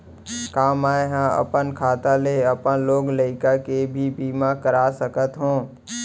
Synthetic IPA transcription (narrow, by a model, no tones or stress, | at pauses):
kaːmaːeɦãɐ̰pənkʰaːt̪aleəpə̃nloːɡləɪkakebʱibiːmakəɾaːsəkət̪ɦõː